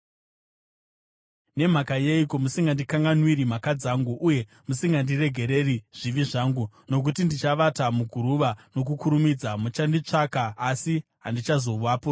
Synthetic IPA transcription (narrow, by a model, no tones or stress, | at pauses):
ne̞m̤akajeiko̞musiŋɡandikaŋɡanwiɾim̤akad͡zaŋɡuʔːje̞ | musiŋɡandire̞ɡʱe̞ɾe̞riʐ̥iʋiʐaːŋɡu | no̞k̬utindit͡ʃaʋatamuɡʱuɾuʋano̞k̬ukuɾumid͡zamut͡ʃandit͡ʂakaːsiɦandit͡ʃazo̞ʋwaːpo